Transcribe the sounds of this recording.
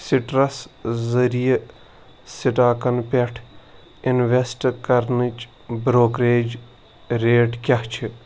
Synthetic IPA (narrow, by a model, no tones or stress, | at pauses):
siʈɾɐszɐɾije | siʈaːkɐnpɐʈʰ | inʋesʈkɐɾnɨt͡ʃ | bɾoːkɾeːd͡ʒ | ɾeːʈkʲɐht͡ʃʰi